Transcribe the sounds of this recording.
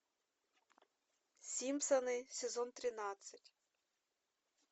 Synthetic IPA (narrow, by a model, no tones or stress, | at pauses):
sʲimsɐnɪsʲezɔnt̪ɾɪnɑt͡s̪ʲːɐtʲ